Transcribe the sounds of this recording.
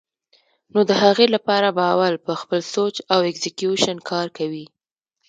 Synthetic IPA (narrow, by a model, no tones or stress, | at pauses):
nod̪əhaɣelapɑɾabaːwalpəxpəlsot͡ʃawɛkzɪkjuʃankʰɑɾkawi